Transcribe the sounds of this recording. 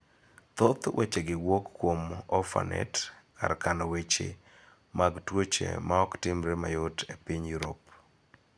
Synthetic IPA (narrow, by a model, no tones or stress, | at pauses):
t̪ot̪wʔet͡ʃeɡɪwokːwomɔfa̰nɛ̰tka̰ɾkanowet͡ʃḛ | maɡtwot͡ʃḛmaɔktɪmɾemajʊtepiɲjuɾop